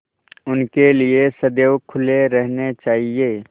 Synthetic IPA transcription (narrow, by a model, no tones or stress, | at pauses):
ʊnkeliesɐd̪eːwkʰʊleɾɛɦnet͡ʃaːɦieː